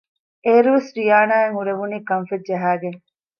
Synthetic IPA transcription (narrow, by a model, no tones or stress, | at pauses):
eːɾuʋesɾijaːnaːeŋuɾeʋuniːkɐnfed͡ʒɐɦaːɡeŋ